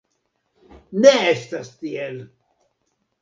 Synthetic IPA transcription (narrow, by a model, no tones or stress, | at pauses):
neestastiel